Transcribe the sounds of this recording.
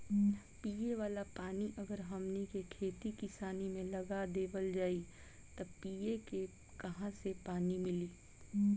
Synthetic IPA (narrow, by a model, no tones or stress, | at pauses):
piːeʋaːlapaːniʔɐɡəɾɦɐmnekekʰeːt̪ikɪsaːnimẽlɐɡad̪eːbəld͡ʒaːi | t̪ɐpiːeke | kɐɦãsepaːnimɪliː